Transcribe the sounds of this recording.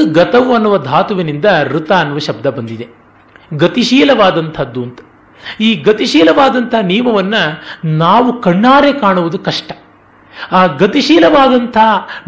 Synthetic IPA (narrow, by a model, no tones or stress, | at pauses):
ɡɐt̪ɐʋuɐnːuʋɐd̪ʱaːt̪uʋinind̪ɐɾut̪aːnːuʋɐʃɐb̚d̪ʱɐbɐnd̪id̪e̞ | ɡɐt̪iʃiːlɐʋaːd̪ɐnt̪ʰɐd̪ːuɐnt̪ɐ̥ | iːɡɐt̪iʃiːlɐʋaːd̪ɐnt̪ʰɐɦɐniːmɐʋɐnːɐnaːʋukɐɳːaːɾekaːɳuʋud̪ukɐʂʈɐ̥ | aːɡɐt̪iʃiːlɐʋaːd̪ɐnt̪ʰɐɦɐ